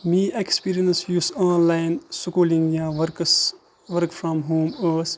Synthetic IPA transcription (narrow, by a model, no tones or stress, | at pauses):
miːekspiːɾiə̃nsjusɔ̃ːnlaɪnsʊkuːlĩŋjaːʋəɾks | ʋəɾkfɾɔ̃mɦõːməs